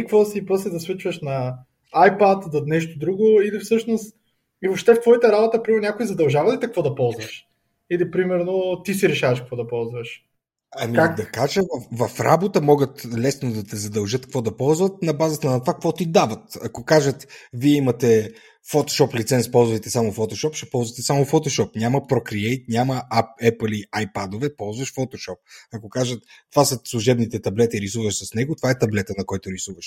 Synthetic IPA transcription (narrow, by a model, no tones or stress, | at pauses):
kvɔsipɾɔslɛd̪ɐsˠut͡ʃvəʃnɐ | ajpat̪d̪ɐnɛʃt̪od̪ɾuɡʊilifsɤʃnost̪ | ivopʃt̪ɛft̪vɔjit̪ɐɾabot̪əpɾimɛɾnnʲakʊizɐd̪ɐlˠʒavɐlit̪ɐkvɔd̪ɐpɔlˠzvɐʃ | ilipɾimɛɾnot̪isiɾɛʃavɐʃkəkvɔd̪ɐpɔlˠzvəʃ | ɐmikakd̪ɐkaʒɛvɐfvɐfɾa̰bot̪əmɔɡət̪lɛsnod̪ɐt̪ɛzɐd̪ɐlˠʒɤt̪̚kkvɔd̪ɐpɔlˠzvət̪̚nɐbazət̪ɐnɐt̪ovakvɔt̪id̪avɐt̪ɐkokaʒət̪viɛimɐt̪ɛ | fot̪o̥ʃɔplit̪sɛnspɔlˠzvɐjt̪ɛsamʊfot̪oʃɔpʃɛpɔlˠzvət̪ɛsamʊfot̪oʃɔpnʲamɐpɾɔkɾiɛjt̪̚nʲamɐapɛplˠiajpad̪ovɛpɔlˠzvəʃfot̪oʃɔp̚ɐkokaʒət̪̚ːvasəslˠuʒɛbnit̪ɛt̪ɐblɛt̪iɾisuvəʃsɐsnɛɡʊt̪ovaɛt̪ɐblɛt̪ənɐkɔjt̪ʊɾisuvɐʃ